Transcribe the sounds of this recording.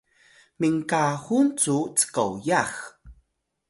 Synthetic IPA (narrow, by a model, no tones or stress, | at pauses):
miŋkaxunt͡sut͡sə̥ka̰wjax